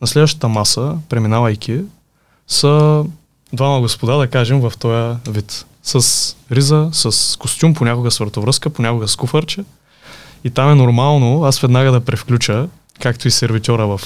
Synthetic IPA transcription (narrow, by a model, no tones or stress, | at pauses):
nɐslɛd̪vəʃt̪ə̥t̪əmasəpɾɛminavɐjk̟ʲʰi | sə | d̪vamɐɡospod̪ad̪ɐkaʒɛmvɐft̪ɔjəvit̪ | sɐsɾizəsəskost̪ʲumponʲakʊɡəsvəɾt̪ovɾɤskəponʲakʊɡəskufəɾt͡ʃə | it̪amɛnoɾmalˠnoasvɛd̪naɡəd̪ɐpɾɛfklʲut͡ʃə | kakt̪oisɛɾvit̪ʲɔɾəvɐf